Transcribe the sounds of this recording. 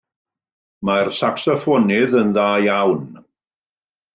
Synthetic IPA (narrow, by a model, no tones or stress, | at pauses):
marsaksəfɔnɪðənðaːjawn